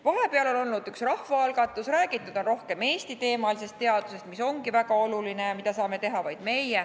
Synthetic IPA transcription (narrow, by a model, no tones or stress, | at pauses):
vɑɦe̞peɑlo̞no̞lnud̪yksrɑhvɑɑlɡ̥ɑt̪ːˑusræːɡ̥it̪ːˑud̪̥o̞nro̞hke̞me̞ːst̪it̪e̞ːmɑlise̞st̪ːe̞ɑd̪̥use̞st̪miso̞ŋɡ̥ivæɡɑo̞luline̞jɑmid̪̥ɑsɑːme̞t̪e̞ɦɑvɑjd̪̥me̞je